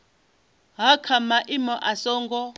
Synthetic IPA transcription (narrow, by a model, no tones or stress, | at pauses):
ɦakʰamaʔimɔʔasɔːŋɡɔ